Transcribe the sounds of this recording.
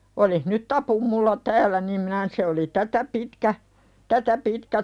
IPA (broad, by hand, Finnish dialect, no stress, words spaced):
olih nyt tɑpum mulːɑ tæːlˑæ nim minæ n se oli tætæ pitkæ tætæ pitkæ